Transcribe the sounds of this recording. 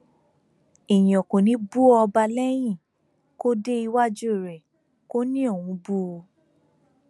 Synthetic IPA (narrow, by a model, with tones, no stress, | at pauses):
i˨j̃ɔ̃˨ko˨nĩ˨˦bu˦ɔ˧ba˧lɛ˦j̃ĩ˦˨ | ko˦de˦i˧wa˦d͡ʒu˦˨ɾɛ˨ | ko˦nĩ˦o˦˨wũ˨˧˦bu˦o˧